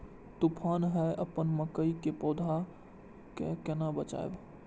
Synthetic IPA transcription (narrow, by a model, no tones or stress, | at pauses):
t̪upʰaːnɦɛʔəpənməkəikepɔːd̪ʱa | kekenabət͡ʃa̰ḛb